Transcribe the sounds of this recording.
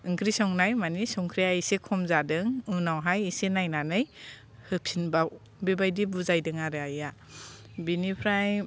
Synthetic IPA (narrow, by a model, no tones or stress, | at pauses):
ɯŋkʰɾisɔŋnajmanisɔŋkʰɾijaisekʰɔmzadɯŋunawɦajisenajnanɯj | hɯpʰinbaw | bebajdibuzajdɯŋaɾɯaja | binipʰɾaj